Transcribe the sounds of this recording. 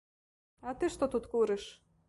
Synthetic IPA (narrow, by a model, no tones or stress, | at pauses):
ɑt̪ɨʃt̪ot̪ut̪kuɾĕʃ